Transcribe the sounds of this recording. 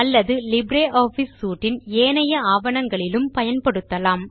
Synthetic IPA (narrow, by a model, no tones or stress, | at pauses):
ɐlːɐðɯlɪbɾeːʔoːfisːuːʈːɪneːnɐjɐaːʋɐnɐŋɡɐɭɪlɯmpɐjɐnpɐɽɯt̪ːɐlaːm